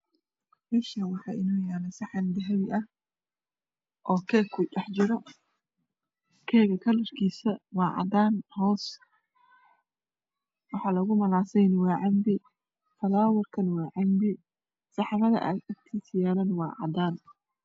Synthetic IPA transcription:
mɪʃɐwɑħɑʔɪnuːjaːnɐsɑħɑnd̪ɪɦɐβɪʔɐh | ʔɔːkʰɛːkʰːʊɗɛħt͡ʃɪɾɔ | kʰɛːɣɐkʰɐlɐrkʰiːsɐwɑːʕɑ̰d̪aːnhɔːs | wɑħɑːlɐɣʊmɐlaːsɛjnwɑːʕɑmbɪ | fɐlaːwɐrkʰɐnwɑːʕɑmbɪ | sɑħɑβɐðɐ̰ʔɐ̰ɐkt̪ʰisɪjaːlɐnwɑːʕɑ̰d̪aːn

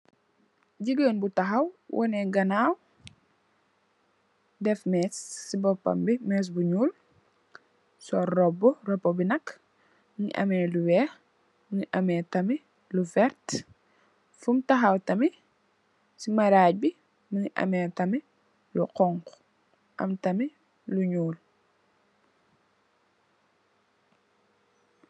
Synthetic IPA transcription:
ɟiɡəːnbutɐxɐwwʔɔ̰nɛɡɐnaːw | dɛfmɛːsːibɔpːɐ̰mbimɛːs̬buɲuːl | sɔrɔbɔrɔbɔbinɐk | məŋḭʔɐ̰mɛluwɛːx | məŋiʔɐmɛːtɐmi | lufɛɾt | fumtɐxɐwtɐmi | simɐɾaːc̚bi | mɐŋiʔɐ̰mɛːtɐmi | luqɔŋk | ʔɐ̰mtɐmi | luɲuːl

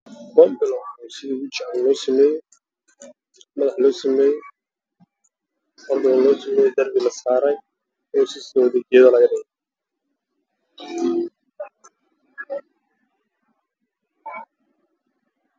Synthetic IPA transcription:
bɔːmbɪlɔwnʊsɪðiːʊt͡ʃɪʕɛllɔːsɐmɛːjɛ | mɐðɐħlɔːsɐmɛːjɛ | ɔrd̪ʊɐlɔːsɐmɛːjɛjd̪ɐrbɪlɐsaːɾɛj | ɔːsɪsɔwðed͡ʒɛːðɐlɐɣɐdɪɣɛ

